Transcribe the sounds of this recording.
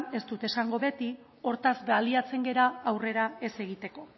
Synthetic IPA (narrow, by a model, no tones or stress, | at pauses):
e̞st̪ut̪e̞saŋɡo̞βe̞t̪i | o̞ɾt̪azbaliat͡se̞ŋɡe̞ɾaːwre̞ɾae̞se̞ɣ̞it̪e̞ko̞